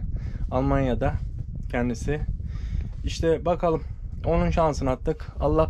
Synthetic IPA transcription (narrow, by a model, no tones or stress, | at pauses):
alˠmanjad̪acʰɛnd̪isɪ | iʃt̪ʰɛbakʰalˠɯmo̞nunʃansɯnat̪ːɯkalˠːa